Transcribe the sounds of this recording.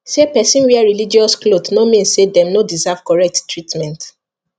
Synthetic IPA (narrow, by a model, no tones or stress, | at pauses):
sepɛsĩnwiɛɹilid͡ʒiɔsklodnomĩnssedɛ̃mnodizav̥kɔɹɛk̚ttɹitmɛ̃nt